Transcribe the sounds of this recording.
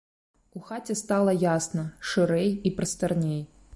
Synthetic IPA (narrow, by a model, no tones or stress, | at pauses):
uxatʲɛst̪alˠɐjasnɐʂɨɾɛjipɾɐst̪ɐrnʲej